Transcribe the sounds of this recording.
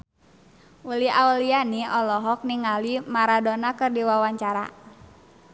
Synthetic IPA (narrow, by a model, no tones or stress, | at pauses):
uliaulianiɔlɔɦɔk̚niŋalimaɾadɔnakɨrdiwawaɲt͡ʃaɾa̰